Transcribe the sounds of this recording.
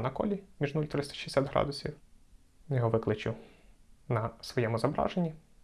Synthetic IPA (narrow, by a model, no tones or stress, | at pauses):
nɐkɔ̰lʲimʲiʒnulʲt̪ɾɪst̪ɐ̥ʃi̥esʲad̪ʲɦɾɑ̰d̪ʊsʲiw | jɔɦɔʋɪklˠɪt͡ʃɪ | nɐsʋɔjɛmʊzɐbɾɑ̰ʒenʲːi